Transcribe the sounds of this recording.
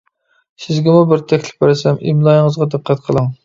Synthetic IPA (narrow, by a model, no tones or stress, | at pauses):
sɪzɡʲɛmubɪɾt̪ʰɛkʲʰlɪ̥p̚ːæɾɪsɛmʔḭmlˠɑjŋəzʁɑd̪ɨqːæt̪qʰəlˠɨŋ